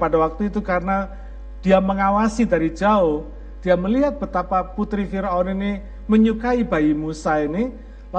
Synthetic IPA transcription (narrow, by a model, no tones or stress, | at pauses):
padawak̚t̪uit̪ukaɾəna | d̥iaməŋawasidaɾi̥d͡ʒaʊh | d̥iaməliɦat̪̚b̥ət̪apaput̪ɾifiɾɔninɪ | məɲukaibaimusainɪ | la